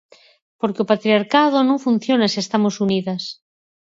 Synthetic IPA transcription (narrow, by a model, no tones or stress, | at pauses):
poɾkeopat̪ɾiaɾkað̞onõŋfun̟θjonasie̞st̪amosuniðas